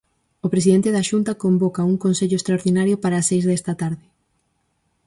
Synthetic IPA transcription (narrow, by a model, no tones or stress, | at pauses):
opɾes̬iðent̪eðaʃunt̪ɐkombokauŋkonseʎoest̪ɾaoɾðinaɾjopaɾaːsejzðest̪ɐt̪aɾðɪ